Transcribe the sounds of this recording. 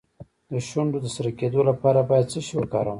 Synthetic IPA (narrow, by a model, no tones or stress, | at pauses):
d̪əʃwaɳɖod̪əsaɾaked̪olapɑɾabɑjad̪̚t͡səʃiwəkɑɾaw